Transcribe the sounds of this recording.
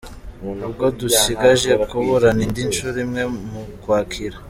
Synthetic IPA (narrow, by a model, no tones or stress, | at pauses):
ub̚ɡo̞dusiɡaʒe̞koβoɾanindinʃuɾimŋe̞mukwaːkʰiɾa